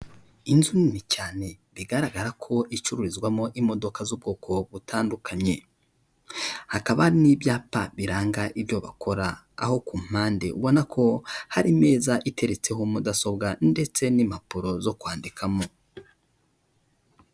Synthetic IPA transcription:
inzuninicaːne̞ɾiɡaɾaɡaɾakʰo̞it͡ʃuɾuɾizɡwamo̞ʔimo̞do̞kazub̚ɡo̞ːkʰo̞βutʰaːndukʰaɲe̞ | hakaβanibjaːpaβiɾaːŋɡaʔibjo̞βa̰kʰo̞ɾa̰ː | ho̞kum̥aːnde̞̰ʔṵβo̞nakʰo̞haɾime̞ːzaʔite̞ɾet͡se̞ɦomudaso̞bɡande̞t͡se̞nimapuɾo̞zo̞kwaːndikʰamo̞

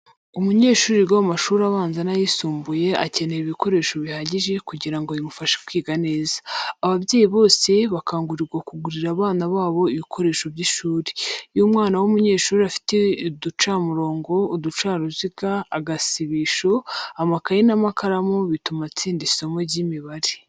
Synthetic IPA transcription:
umuɲe̞ːʃuːɾiɡawamaʃuːɾaβaːnzanajisuːmbuje̞a̰ce̞neɾiβiko̞ɾe̞ːʃo̞βihaɟiʒe̞kuɟiɾaŋɡojimufaʃe̥kwiːɡane̞ːzaːβaβjeːjiβo̞ːse̞βakʰaːŋɡuɾiɾɡwakuɡuɾiɾaβaːnaβaːβo̞iβikʰo̞ɾe̞ːʃo̞βɟiʃuːɾi̥jumŋaːnawomuɲe̞ːʃuːɾiafi̥tedut͡ʃaːmuɾo̞ːŋɡo̞ːdut͡ʃaːɾuziɡaːɡasiβiʃo̞amakajinamakʰaɾamoβitumat͡siːndiso̞mo̞ɟimiβaɾi

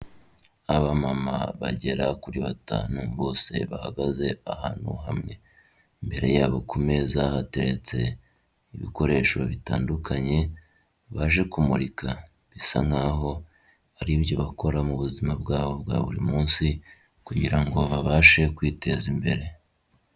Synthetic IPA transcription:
aβamama̰βa̰ɟe̞ɾakuɾiβata̰ːnuβo̞ːse̞βaha̰ɡaze̞ahaːn̥hṵɦamŋe̞ | mbe̞ɾe̞jaːβo̞kʰume̞zahate̞ɾe̞t͡se̞̰ | iβḭko̞ɾe̞ʃo̞̰βita̰ːndukʰaɲe̞ | βaʒe̞kumuɾikʰa | βisa̰ŋ̥aːɦo̞ | aɾibjoβako̞ɾamuβuzimabɡaːβo̞b̚ɡa̰βuɾimuːnsi | kuɟiɾaŋɡo̞βaβaːʃe̞kwiːte̞zimbe̞ɾe̞

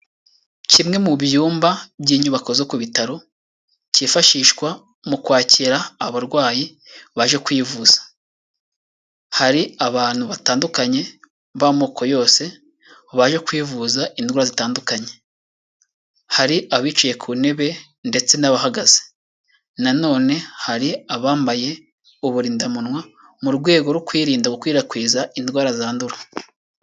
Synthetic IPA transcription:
cimŋe̞muβjuːmbabjiːɲuβako̞zo̞kuβitaɾo̞ | ciːfaʃiːʃkwa | mukwaːciɾaːβaɾɡwaːji | βaʒe̞kwiːvuz̥ḁ | haɾiaβaːn̥huβataːndukaɲe̞ | βamoːko̞jo̞ːse̞ | βaʒekwiːvuzaʔindwaːɾazitaːndukaɲe̞ | haɾiʔaβiːt͡ʃuje̞kʰuːne̞βe̞ | nde̞t͡se̞naβahaɡaze | nano̞ːne̞haɾiaβaːmbaje̞ | uβuɾiːndamunwa | muɾɡwe̞ːɡo̞ɾukwiːɾiːndaɡokwiːɾakwiːzaindwaːɾazaːnduɾa

